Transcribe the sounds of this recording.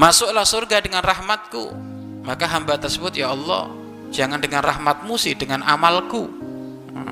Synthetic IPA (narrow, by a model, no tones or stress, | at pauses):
masʊklahsʊrɡadəŋanrahmat̪̚kṵ | makaɦambat̪ərsəbʊt̪̚jaɔlːɔ̰h | d͡ʒaŋandəŋanrahmat̪̚musɪd̥əŋanʔamalkṵ